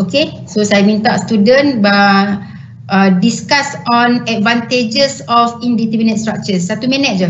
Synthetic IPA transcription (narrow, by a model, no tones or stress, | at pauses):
oke | sosajamĩnt̪aʔst̪udə̃nba | ʔədiskasɔ̃nɛt̪̚vãnt̪ed͡ʒəsɔfindit̪əminət̪̚st̪ɹak̚t͡ʃəsːat̪umɛnɛt̚d͡ʒa